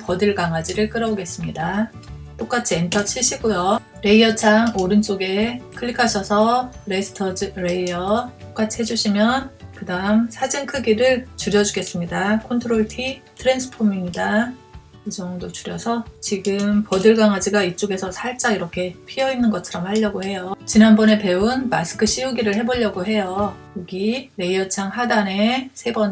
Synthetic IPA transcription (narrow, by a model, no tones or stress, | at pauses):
pʌdɯɭɡaŋad͡ʑiɾɯɭk͈ɯɾʌboɡe̞s͈ɯmɲida | t͈ok͈at͡ɕʰientʰʌt͡ɕʰiɕʰiɡojo | ɾe̞iʌt͡ɕʰaŋoɾɯnt͡ɕ͈oɡe̞kʰɯɭːikʰaɕʰʌsʰʌɾesʰɯ̥tʰʌd͡ʑɾeiʌt͈ok͈at͡ɕʰiɦe̞d͡ʑuɕʰimjʌnkɯdaɯmsʰad͡ʑiŋkʰɯɡiɾɯɭt͡ɕuɾjʌd͡ʑuɡe̞s͈ɯmɲidakʰontʰoɾoɭtʰitʰɯɾe̞nsʰɯ̥pʰomiŋɲida | id͡ʑʌŋdot͡ɕuɾjʌsʰʌt͡ɕiɡɯmpʌdɯɭɡwaŋad͡ʑiɡait͡ɕ͈oɡe̞sʰʌsʰaɭt͡ɕ͈aiɾʌkʰe̞pʰiʌinːɯnɡʌt͡ɕʰʌɾʌmhaʎːʌɡohe̞jot͡ɕinanbʌne̞pe̞unmasʰɯ̥kʰɯɕ͈ʰiuɡiɾɯɭhe̞boʎːʌɡoɦe̞jojoɡiɾe̞iʌt͡ɕʰaŋɦadane̞sʰe̞bʌn